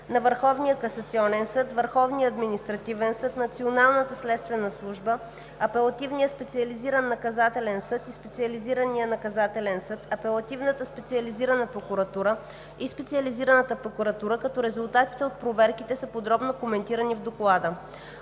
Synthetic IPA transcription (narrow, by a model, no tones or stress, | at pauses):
nɐvəɾxɔvnijəkɐsɐt̪siɔnɛnsɤt̪vəɾxɔvnijəːd̪minist̪ɾɐt̪ivɛnsɤt̪nɐt̪sionalˠnət̪əslɛt̪st̪vɛnəslˠuʒbə | ɐpɛlˠɐt̪ivnijəspɛt̪siɐliziɾənːɐkɐzat̪ɛlɛnsɤt̪ispɛt̪siɐliziɾənijənɐkɐzat̪ɛlɛnsɤt̪ɐpɛlˠɐt̪ivnət̪əspɛt̪siɐliziɾənəpɾokuɾɐt̪uɾə | ispɛt̪siɐliziɾənət̪əpɾokuɾɐt̪uɾəkɐt̪ɔɾɛzulˠt̪at̪i̥t̪ɛot̪̚pɾovɛɾkit̪ɛsəpod̪ɾɔbnokomɛnt̪iɾənivd̪oklˠad̪ə